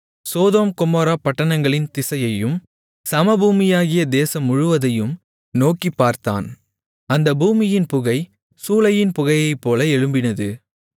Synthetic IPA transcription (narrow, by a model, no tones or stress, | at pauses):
soːðoːmkʊmoːɾaːpɐʈːɐnɐŋɡɐɭɪnt̪ɪsɐjɐjɯm | sɐmɐbuːmɪjaːɣɪjɐd̪eːsɐmʊɻʊʋɐðɐjɯm | noːkipːaːɾt̪a̰ːn | ɐnd̪ɐbuːmɪjɪnpʊɣɐɪ | suːlɐjɪnpʊɣɐjɐɪpːoːlɐɛɻɯmbɪnɐðɯ